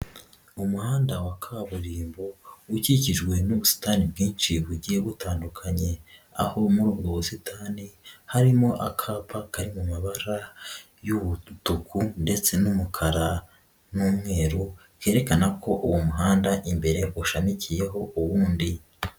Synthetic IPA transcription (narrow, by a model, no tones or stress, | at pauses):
umuhaːndawakʰaβuɾiːmbo̞uciciʒɡwe̞nuβusi̥taːnibɡiːnʃiβuɟieβutaːndukʰaɲe̞a̰ho̞muɾuːbɡoβusitʰaːnihaɾimo̞ʔakʰaːpʰakaɾimumaβaɾa | juβutukʰunde̞t͡se̞numukʰaɾa | nuːmŋe̞ːɾu | ke̞ːɾe̞kanakʰo̞ʔuwomuɦaːndaʔimbe̞ɾe̞βoʃamicije̞ɦo̞ʔuwuːndi